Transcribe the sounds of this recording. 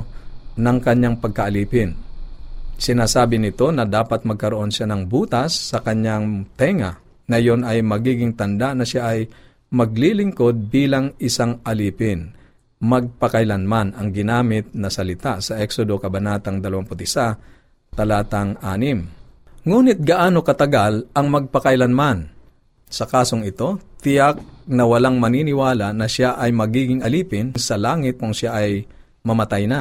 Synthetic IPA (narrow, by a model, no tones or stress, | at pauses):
nɐŋkɐɲːaŋpɐɡ̚kɐʔɐliːpɪn | sɪnaːsaːbɪnɪt̪o̞nɐd̪aːpɐt̪̚mɐɡ̚kɐɾoʔo̞nʃanɐŋbuːt̪ɐsːɐkɐɲaŋt̪ɛŋɐ | ŋɐjo̞nɐjmɐɡiːɡɪŋt̪ɐnd̪aʔnɐʃaʔɐj | mɐɡ̚lilɪŋko̞d̪̚biːlɐŋɪsaŋʔɐliːpɪn | mɐɡ̚pɐkɐjlɐnmanɐŋɡɪnaːmɪt̪̚nɐsɐlɪt̪asɐʔɛksod̪o̞kɐbɐnaːt̪ɐŋd̪ɐlɐwaŋpʊt̪ɪsa | t̪ɐlaːt̪ɐŋaːnɪm | ŋuːnɪt̪̚ɡɐʔaːno̞kɐt̪ɐɡalʔɐŋmɐɡ̚pɐkɐjlɐnman | sɐkaːsoŋɪt̪o̞t̪ɪjak̚nɐwɐlaŋmɐninɪwaːlanɐʃaʔɐjmɐɡiːɡɪŋɐliːpɪnsɐlaːŋɪt̪̚kʊŋʃaʔɐj | mɐmɐt̪ajna